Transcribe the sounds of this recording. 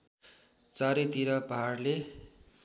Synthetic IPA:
t͡saɾet̪iɾʌbʱaːrle

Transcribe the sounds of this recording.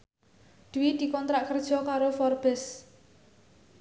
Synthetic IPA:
d̪̥uwid̪̥i̤kɔnt̪ɾaʔkərd̥ʒ̥ɔ̤kaɾofɔrb̥ɛs

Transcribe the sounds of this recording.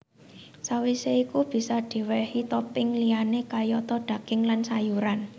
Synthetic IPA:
sawiseikub̥i̤sɔd̪̥i̤wɛhit̪ɔpɪŋlianekajɔt̪ɔɖ̪̥ä̤ɡ̥ɪŋlansajuɾan

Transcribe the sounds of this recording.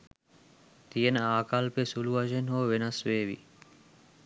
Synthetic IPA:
t̪ijənaːkalpesuluaʒenɦoːʋenasʋeːʋḭ

